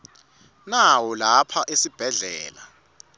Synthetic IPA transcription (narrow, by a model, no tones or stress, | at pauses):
nawɔlapʰaʔesib̥ʱɛɮɛːla